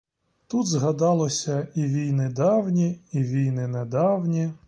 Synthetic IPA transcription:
t̪ud̪zɦɐd̪ɑlˠɔsʲɐiʋʲijnɪd̪ɑwnʲiiʋʲijnɪned̪ɑwnʲi

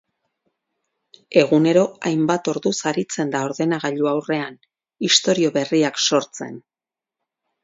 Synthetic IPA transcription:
e̞ɣ̞une̞ɾo̞ajmbat̪o̞ɾðusaɾit͡se̞nd̪ao̞ɾðe̞naɣ̞aʎuawre̞an | ist̪o̞ɾio̞βe̞riakso̞ɾt͡se̞̰n

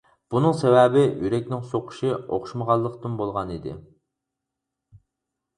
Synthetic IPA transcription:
b̥unɨŋsɛwɛbɪjyɾɛk̚ʲnɪŋsoqʰʊ̥ʃio̰χʃməʁɑlˠːəqt̪ɨmbolˠʁɑnid̪ɪ̰

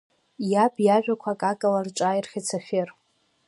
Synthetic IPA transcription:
jabʼjaʒᶣakʷʰakʼakʼalarʈ͡ʂʼajrχʲat͡sʰaχʲer

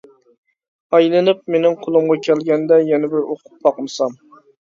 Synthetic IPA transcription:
ɑjlˠɨnɨp̚menɪŋqʰolˠʊmʁɑkʲʰɛlɡʲɛnd̪ɛjɛnɛbɪɾoqʰʊ̥p̚ːɑqmɨsɑm

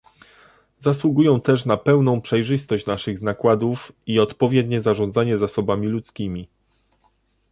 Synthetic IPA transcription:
zaswuɡujɔ̃w̃t̪ɛʂnapɛwnɔ̃w̃pʂɛjʐɘst̪ɔɕt͡ɕnaʂɘɣznakwad̪ufiɔt̪pɔvʲjɛd̪ɲɛzaʐɔ̃nd̪zaɲɛzasɔbamʲilut̪skʲimʲi

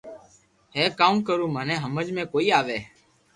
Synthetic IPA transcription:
ɦeːkaːmkəɾũːmənẽːɦəməd͡ʒmẽːkoːiːaːʋeː

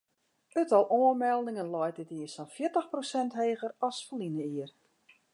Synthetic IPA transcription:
ətɔlˠʔoənmɛlˠdɪŋənlɔjt̚ətiəsɔnfjɪətəxprosɛntɦeːɣərɔsfəlinəiər

